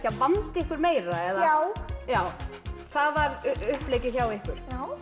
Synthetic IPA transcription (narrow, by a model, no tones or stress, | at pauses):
çawpant̪ɪhkʏɾmeːjɾaɛðawjaːwθavaɾʏhpleːjcɪçaːwɪhkʏɾ̥